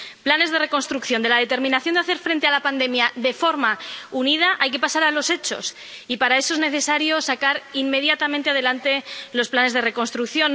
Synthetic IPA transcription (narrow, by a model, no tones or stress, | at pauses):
plane̞zðe̞re̞ko̞nst̪ɾukθjo̞nd̪e̞laðe̞t̪eɾmĩnaθjo̞nd̪aθe̞ɾfɾe̞nt̪e̞alapand̪e̞mjaðe̞fo̞ɾmaunið̞aʔajke̞pasaɾalo̞se̞t͡ʃo̞̰s | ipaɾae̞so̞ezne̞θe̞saɾjo̞sakaɾimme̞ð̞jat̪amẽnt̪eað̞e̞lant̪e̞lo̞splane̞zð̞e̞re̞ko̞nst̪ɾukθjo̞n